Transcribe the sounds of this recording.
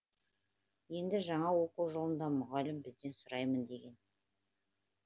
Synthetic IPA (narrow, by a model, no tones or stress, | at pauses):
je̞nd̪ɪʒɑɴɑwo̞quwʒolˠənd̪ɑmʊʁɑlɪmbɪzd̪e̞nsʊɾɑjmənd̪e̞ɡʲe̞n